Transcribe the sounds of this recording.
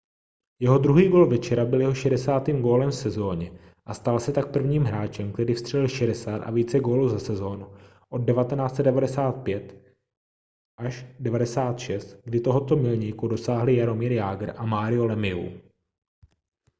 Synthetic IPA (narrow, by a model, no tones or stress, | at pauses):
jɛɦo̞d̪ɾuɦiːɡo̞ːlvɛt͡ʃɛɾabɪljɛɦo̞ʃɛdɛsaːt̪iːmɡo̞ːlɛmfsɛzo̞ːɲɛ | ʔast̪alsɛt̪ak̚pr̩vɲiːmɦɾaːt͡ʃɛmk̚t̪ɛɾiːfst̪r̥ɛlɪlʃɛdɛsaːt̪ʔa̰viːt͡sɛɡo̞ːluːzasɛzo̞ːnu | ʔo̞d̚dɛvat̪ɛnaːt͡st͡sɛdɛvadɛsaːt̪̚pjɛt̪ | ʔaʃdɛvadɛsaːt̪ʃɛst̪ɡdɪt̪o̞ɦo̞t̪o̞mɪlɲiːkudo̞saːɦlɪjaɾo̞miːɾjaːɡɾ̩ʔamaːɾɪolɛmɪṵ